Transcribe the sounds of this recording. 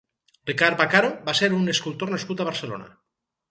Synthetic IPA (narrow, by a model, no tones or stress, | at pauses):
rikaɾbakaɾobaseɾuneskult̪ornaskut̪aβ̞aɾselo̰na̰